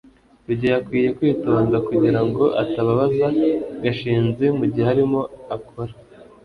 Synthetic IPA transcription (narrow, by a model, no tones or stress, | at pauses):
uɾɟojakwiːje̞kwiːto̞ːndakuɟiɾaŋɡo̞ʔataβaβazaɡaʃiːnzemuɟiheaɾimo̞akʰoɾḁ